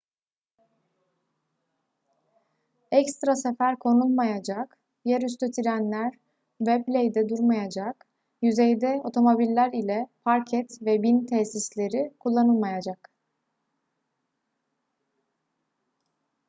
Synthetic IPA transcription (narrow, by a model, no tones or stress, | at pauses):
ɛcst̪ɾasefæɾkʰo̞nulˠmajad͡ʒak | jɛɾys̬t̪ʰøt̪ʰiɾʲænlʲæɾ | vɛplʲejd̪ɛd̪uɾmajad͡ʒak | jyzejd̪ɛo̞t̪ʰo̞mo̞bilʲːæɾilʲɛpʰaɾcʰɛt̪vɛbint̪ʰɛsislʲe̞ɾikʰulˠːanɯlˠmajad͡ʒak